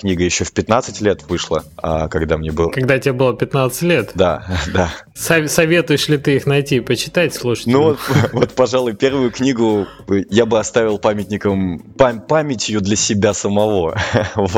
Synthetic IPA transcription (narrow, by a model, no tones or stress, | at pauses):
knʲiɡəjɪɕːofpʲɪt̪nat̪sɨtʲlʲet̪vɨʂlˠə̰a̰kɐɡd̪amnʲebɨlˠkɐɡd̪atʲɪabɨlˠəpʲɪt̪nat̪sɨ̥tʲlʲet̪d̪a̰d̪a | sɐsɐvʲe̞t̪ʊjɪʂlʲɪt̪ɨixnɐjtʲiːpət͡ɕɪ̥t̪atʲslˠuʂə̥t̪ʲnuvot̪vot̪pɐʐalˠʊjpʲe̞rvʊjʊknʲiɡʊ | jabɨɐst̪avʲɪlˠpamʲɪtʲnʲɪkəmpapamʲɪtʲjʊd̪lʲəsʲɪbʲasəmɐvo̞v